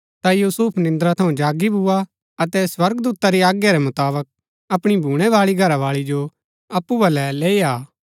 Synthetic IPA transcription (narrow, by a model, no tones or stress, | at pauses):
t̪ajuːsuːpʰnɪ̃nd̪ɾat̪ʰɐũd͡ʒaːɡibʱʊa | ɐt̪ɛswɐɾɡd̪uːt̪aɾiaːɡjaɾɛmʊt̪aːbək̚ | ɐpɽ̃ibʱuːɽ̃ɛʋaːɭiɡʱɐɾaʋaːɭid͡ʒo | ɐpːubɐlɛleːiaː